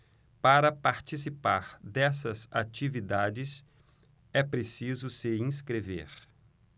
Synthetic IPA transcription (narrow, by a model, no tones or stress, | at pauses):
paɾɐpaɾt͡ʃisipaɾd̪ɛsɐzat͡ʃivid̪ad͡ʒɪs | ɛpɾesizʊsɪĩskɾevḛɾ